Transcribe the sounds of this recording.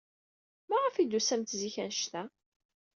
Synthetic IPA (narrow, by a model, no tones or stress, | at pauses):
mæʁəfid̪usæmt̪ziçænʃt̪æ